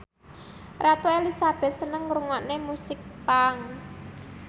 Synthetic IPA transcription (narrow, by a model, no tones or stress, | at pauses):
rat̪oelisab̥ɛ̤t̪̚sənəŋɾuŋɔnemusɪk̚paŋ